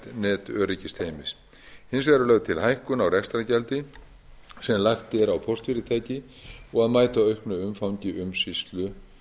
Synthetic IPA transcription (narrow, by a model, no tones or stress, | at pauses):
t̪nɛːt̪œːɾicɪst̪heːjmɪs | hɪnsvɛɾalœɣðt̪ʰɪlhajhkʏnawɾɛst̪ɾacɛlt̪ɪ | sɛmlaxt̪ɛɾawpʰɔr̥t̪fɪɾɪt̪ʰaːjcɪ | ɔɣaðmaːjt̪aœɥhknʏʏmfawɲcɪʔʏmsist̪lʏ